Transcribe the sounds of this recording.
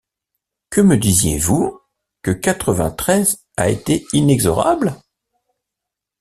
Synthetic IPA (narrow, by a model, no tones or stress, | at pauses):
kəməd̪izjḛvu | kəkat̪χəvɛ̃t̪χɛz | a̰et̪einɛɡzɔʁa̰bl